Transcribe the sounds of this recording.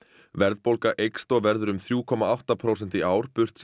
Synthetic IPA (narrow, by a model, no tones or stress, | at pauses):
vɛɾðpolkaʔejkst̪ɔɣvɛɾðʏɾʏmθɾjuːkʰɔmaawht̪apʰɾowsɛn̥t̪ɪaːwɾ̥pʏr̥t̪s